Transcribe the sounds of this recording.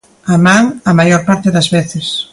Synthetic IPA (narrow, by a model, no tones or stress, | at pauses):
amãŋɐmajoɾpaɾt̪ɪðɐzβeθɪs